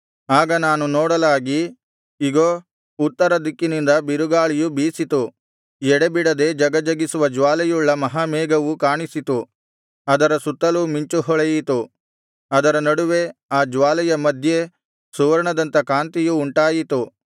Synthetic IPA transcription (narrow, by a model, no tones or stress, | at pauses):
aːɡɐnaːnunɔːɽɐlaːɡi | iɡoː | ut̪ːɐɾɐd̪ikːinind̪ɐbiɾuɡaːɭijubiːsit̪u | jɛɽebiɽɐd̪e̞d͡ʒɐɡɐd͡ʒɐɡisuʋɐd͡ʒʋaːlɛjuɭːɐmɐɦamɛːɡɐʋukaːɳisit̪u | ɐd̪ɐɾɐsut̪ːɐlumiɲt͡ʃuɦɔɭɐjit̪u | ɐd̪ɐɾɐnɐɽuʋe̞aːd͡ʒʋaːlɛjɐmɐd̪ʱje̞ | suʋɐɾɐɳɐd̪ɐnt̪ɐkaːnt̪ijuːɳʈaːjit̪u